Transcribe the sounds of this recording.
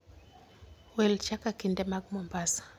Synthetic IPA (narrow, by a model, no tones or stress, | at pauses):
wɛlt͡ʃakakindɛmaɡmɔmbasḁ